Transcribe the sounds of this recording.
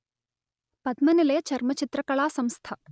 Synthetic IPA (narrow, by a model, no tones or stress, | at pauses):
pɐd̪̚mɐnilɐjɐt͡ʃɐɾmɐt͡ʃit̪ɾɐkɐɭaːsɐmst̪ʰɐ